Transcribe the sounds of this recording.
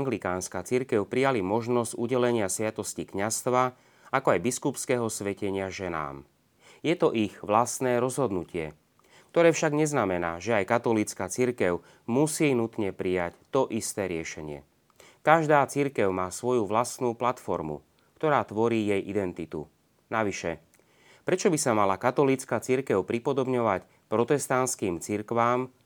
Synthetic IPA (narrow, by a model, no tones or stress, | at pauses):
aŋɡlikaːnskaːt͡siɾkɛʊpɾijalimɔʒnɔzɟ̥uɟɛlɛɲɪasʋɪat̪ɔscikɲast̪ʋa | akɔajbiskupskɛːɦɔsʋɛcɛɲɪaʒɛna̰ːm | jɛt̪ɔʔiɣʋlast̪nɛːɾɔzɦɔd̪nucɪɛ | k̚t̪ɔɾɛːfʃaɡɲɛznamɛna̰ːʒɛajkat̪ɔlit͡skaːt͡siɾkɛʊ | musiːnut̪ɲɛpɾijact̪ɔʔist̪ɛːɾɪɛʃɛɲɪɛ̰ | kaʒd̪aːt͡siɾkɛʊmaːsʋɔjuʋlasnuːplat̪fɔ̰ɾmṵ | kt̪ɔɾaːt̪ʋɔɾiːjɛjʔid̪ɛnt̪it̪ṵ | naʋiʃɛ̰ | pɾɛt͡ʃɔbisamalakat̪ɔliːt͡skaːt͡siɾkɛʊpɾipɔd̪ɔbɲɔʋac | pɾɔt̪ɛst̪anskiːmt͡siɾkʋaːm